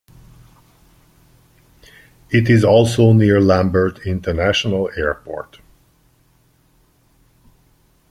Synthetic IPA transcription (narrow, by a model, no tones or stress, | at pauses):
ɪtɪzɔlˠsoʊniɹlæ̃mbə˞tʰɪ̃ntʰənæʃənəlˠɛɹpɔ̰ɹt